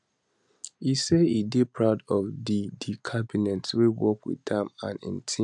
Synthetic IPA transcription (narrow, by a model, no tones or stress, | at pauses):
iseidepʰɹaʊdɔvdidikʰabinɛ̃ntwiwɔkwḭddɛ̃mã̰nḭ̃ntʰĩ